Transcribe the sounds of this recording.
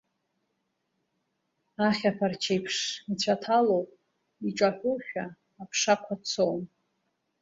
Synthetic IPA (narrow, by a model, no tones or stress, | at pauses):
aχʲapʰart͡ʃʰejpʰʂit͡ɕʷʰatʰalowpʼ | iʈ͡ʂʼaħʷʊʃᶣaː | pʰʂakʷʰat͡sʰowm